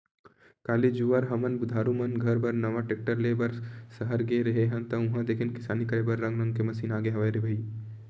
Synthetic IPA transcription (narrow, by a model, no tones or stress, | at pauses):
kaːlid͡ʒuaɾɦɐmənbʊd̪ʱaːɾumɐnɡʱɐɾbɐɾnɐʋaʈeːk̚ʈəɾleːbɐɾsɐɦəɾɡeɾɐɦeɦə̃nt̪ɐʊ̃ɦãd̪eːkʰɪnkɪsaːnikɐɾebɐɾːɐ̃ŋɡɾɐ̃ŋɡkemɐsiːnaːɡeɦɐʋaːeɾebʱɐi